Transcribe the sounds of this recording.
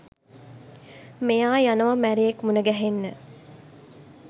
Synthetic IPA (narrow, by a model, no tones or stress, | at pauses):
mejaːjanəʋamæɾejekmunəɡæɦenːə